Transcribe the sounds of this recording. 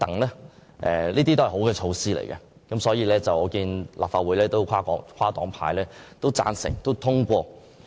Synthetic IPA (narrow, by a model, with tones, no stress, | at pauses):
t̪ɐ˨˥ŋlɛː˥ʔɛ˨liː˥t̪i˥t̪hɐ˨˩ɦo˨˥wkɛː˧t͡ʃʰo˧wsiː˥lḛ˨˩jkɛ˧ | kɐ˨˥msɔː˨˥jiː˨˧lɛː˥t͡sɐ˨wɔː˨˧kiː˧nlʔa̰ː˨p̚faː˧t̚uː˨˧jlɛː˥t̪o˥wkʷʰaː˥kɔː˨˥ŋkʰaː˥t̪ɔː˨˥ŋpʰa̰ː˧jlɛː˥t̪o˥wt͡sa̰ː˧nsɪ̰˨˩ŋt̪o˥wt̪ʰʊ˥ŋkʷɔː˧